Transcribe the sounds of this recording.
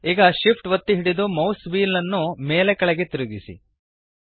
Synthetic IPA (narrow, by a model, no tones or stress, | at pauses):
iːɡɐʃipʰʈʋɐt̪ːiɦiɽid̪umɐwsʋiːlɐnːumeːlekɐɭɛɡe̞t̪iɾuɡisḭ